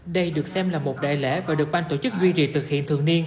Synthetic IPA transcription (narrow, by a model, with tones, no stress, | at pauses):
ɗə˧jɗɨ˨˩ək̚sɛ˧mlaː˨˩mo˨˩t̚ɗa̰ː˧˨jlɛ̰˧˥vaː˨˩ɗɨ˨˩ək̚ɓaː˧nt̪o˧˩t͡ɕɨ˦˥k̚zwi˧t͡ɕḭ˧˨˩t̪ʰɨ˨˩k̚hḭ˧˨ənt̪ʰɨ̰˨˧˨əŋni˧ən